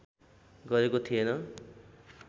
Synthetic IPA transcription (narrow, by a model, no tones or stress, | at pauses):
ɡʌɾekot̪ʰienʌ